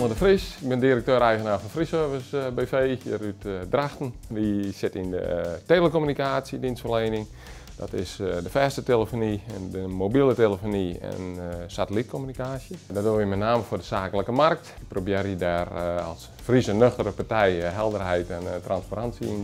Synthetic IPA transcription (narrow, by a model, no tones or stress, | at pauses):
ədəfrisɪɡ̚bɪndiɾək̚tøːɾɛjɣənaːfɔnfrisøvɪsbeːfeːjə̰ɾytdraxtənʋisɪtɪndə̰telˠəkomynikaːsjədinstfərlejnɪŋ | d̥ɔ̰tɪsdəfɛːstətelˠəfoniɛndəmobilˠəteləfoniɛ̰nsatəlit̚kʰomynikaːsjədɔtoʋimɛtnaːməfʊdəsaːkələkəmark̚tɪk̚probeːridarɔ̰lˠs | frisənøxtəɾəpartɛjɦɛlˠdərɦɛjtɛntranspaɾansəin